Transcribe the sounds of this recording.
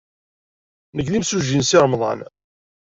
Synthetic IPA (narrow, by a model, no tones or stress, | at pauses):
nəɡlimsuʒinsɪɾˤmðˤɑ̰n